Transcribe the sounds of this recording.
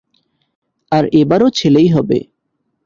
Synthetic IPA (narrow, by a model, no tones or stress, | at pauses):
aɾebaɾot͡ɕʰelejɦɔbḛ